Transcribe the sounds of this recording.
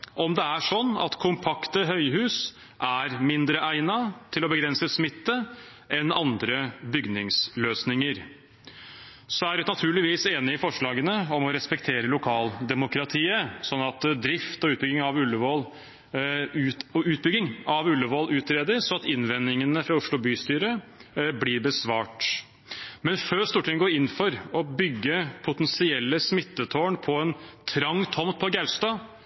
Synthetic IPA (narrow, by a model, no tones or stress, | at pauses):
ʔɔmd̪ɛæʂɔnːɑ̰t̪kʰʊmpʰɑkt̪əɦœʏɦʉːs | ʔæɾmɪnd̪ɾəʔæɪnɑt̪ʰɪlɔbəɡɾɛnsəsmɪt̪ːə | ʔɛnɑnd̪ɾəbʏɡnɪŋsløːsnɪŋəɾ | sɔæɖʉnɑt̪ʰʉːɭɪʋiːseːnɪɪfɔʂɭɑːɡənəɔmɔɾɛspɛkt̪ʰeːɾəlʊkʰɑːld̪ɛmʊkɾɑt̪ʰiːəsɔnːɑt̪d̪ɾɪft̪ɔʉːt̪̚bʏɡɪŋɑʋʉlːəʋɔl | ʉɔʉːt̪̚bʏɡɪŋɑʋʉlːəʋɔlʔʉːt̪ɾeːd̪əɾsɔɑt̪ɪnʋɛnːɪŋənəfɾɑʊʂɭʊbyːst̪yːɾəblɪɾbəsʋɑːʈ | mɛnføːɾst̪uːʈʰɪŋɡoːɾɪnːfɔɾɔbʏɡːəpʰʊt̪ɛnsɪɛlːəsmɪt̪ːət̪ʰoːɳpʰɔɛnt̪ʰɾɑŋːt̪ʰɔmt̪̚pʰɔɡæʉst̪ɑ